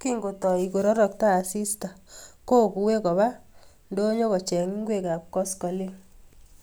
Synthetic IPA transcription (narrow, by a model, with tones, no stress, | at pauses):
ki˦ŋɡo˨tɔ˨i˨ko˨ɾɔ˦ɾɔ˨k̚taː˦˨si˦sta˨ko˦˨ku˨we˦kɔ˨ba˦ | ndo˦ɲɔ˦kɔ˨t͡ʃɛ˨ŋi˦ŋɡwe˦ka˨pkɔ˦skɔ˨li˦ŋ